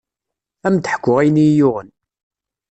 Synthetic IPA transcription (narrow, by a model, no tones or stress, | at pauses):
æmt̪əħə̥kʷːʊʁijnijʊʁən